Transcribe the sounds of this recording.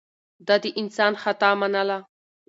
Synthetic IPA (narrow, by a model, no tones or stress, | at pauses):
d̪ɑd̪iʔɪnsɑːnxat̪ɑmanala